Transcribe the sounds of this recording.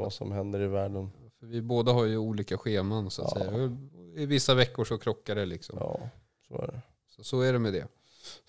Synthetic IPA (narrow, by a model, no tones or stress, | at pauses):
va̰sɔ̰mɦɛnd̪əɾɪvæːɖənː | fœɾvɪboːd̪aɦaɾjɵuːliːkaɧeːmansʊat̪sɛ̰jːaɪvɪsːavɛkːʊʂɔkʰɾɔkːaɾɛlɪksɔ̰mɑ̰ː | sɔ̰æ̰ɖɛ | sɔsɔæɖɛmɛd̪ɛ̰